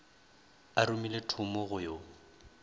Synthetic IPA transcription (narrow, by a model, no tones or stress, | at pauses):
aɾumiletʰʊmɔɣʊjo